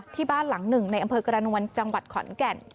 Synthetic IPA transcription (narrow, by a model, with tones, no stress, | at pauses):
t̪ʰiː˥˩baː˥˩nla˩˦ŋnɯ˨˩ŋna˧jʔa˧mpʰɤː˧kɾa˧nu˧ənt͡ɕa˧ŋwa˨˩t̪̚kʰɔ̰˩˦nkɛ˨˩n